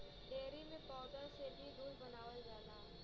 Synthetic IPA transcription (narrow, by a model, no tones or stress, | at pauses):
ɖeːɾimẽpɔːd̪əɾsebʱid̪uːɾbənaːʋəld͡ʒaːlaː